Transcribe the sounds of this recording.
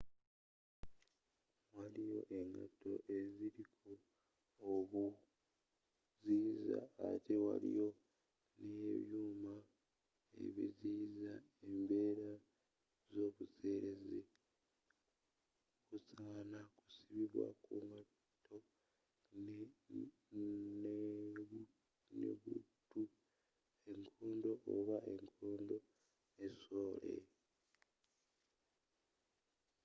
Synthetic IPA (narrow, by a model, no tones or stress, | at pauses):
walijo̞̰ʔe̞ŋɡa̰to̞̰ʔe̞ziɾikʰu | oβu | ziːza̰ːtʰe̞wa̰lḭjo̞ | neβjuːma | e̞̰βḭziːza | e̞mbe̞ːɾa | zo̞ːβuse̞ːɾe̞ze | kusaːnaku̥siβiβwa̰kuma | tʰo̞ | n | nḛβutu | e̞ŋkʰoːndo̞ʔo̰βaʔe̞ŋkʰoːndo̞ | neso̞ːlḛ